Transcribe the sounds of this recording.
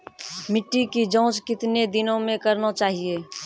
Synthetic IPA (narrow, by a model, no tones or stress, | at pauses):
mɪʈːikid͡ʒɔ̃ːt͡ʃkɪt̪ned̪ɪnõmẽkəɾnat͡ʃaːɦieː